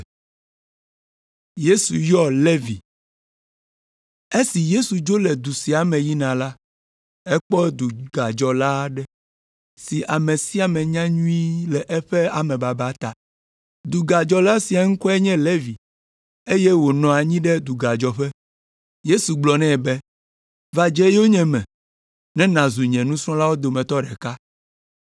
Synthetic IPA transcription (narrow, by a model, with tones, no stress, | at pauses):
je˦su˨jɔ˦le˦vi˨ | e˦si˨je˦su˨d͡ʒo˦lɛ˨d̪u˨si˨a˨mɛ̃˨ji˦nã˨la˦ | ɛ˦k͡pɔ˦d̪u˨ɡa˨d͡ʒɔ˨la˦ɖɛ˦ | si˨ʔa˨mẽ˨si˦a˨mɛ̃˨ɲã˦ɲũ˦i˦lɛ˨ʔɛ˦ɸɛ˦a˨mɛ̃˨ba˨ba˦t̪a̰˨ | d̪u˨ɡa˨d͡ʒɔ˨la˦si˨a˨ŋũ˦kɔ˦ɛ˦ɲɛ̃˦le˦vi˨ | e˦jɛ˦wo˨nɔ̃˨a˨ɲĩ˦ɖɛ˦d̪u˨ɡa˨d͡ʒɔ˨ɸɛ˦ | je˦su˨ɡ͡blɔ˨nɛ̃˦˨bɛ˦ | va˨d͡ʒɛ˦jɛ˦wo˦ɲɛ̃˨mɛ̃˨ | nɛ̃˦nã˨zu˨ɲɛ̃˨nũ˦sɾɔ̃˦la˦wo˦d̪o˨mɛ̃˨t̪ɔ˦ɖɛ˨ka˦